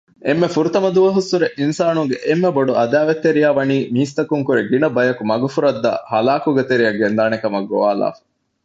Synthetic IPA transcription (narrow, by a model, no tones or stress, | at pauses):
emːefuɾut̪ɐmɐd̪uʋɐɦusːuɾeʔinsaːnuŋɡeʔemːeboɖuʔɐd̪æːʋet̪ːeɾijaːʋɐniːmiːst̪ɐkuŋkuɾeɡinɐbɐjɐkumɐɡufuɾɐd̪ːɐ̰hɐlaːkuɡet̪eɾijɐɡend̪aːnekɐmɐɡːo̰ʋaːla̰ːfɐ̥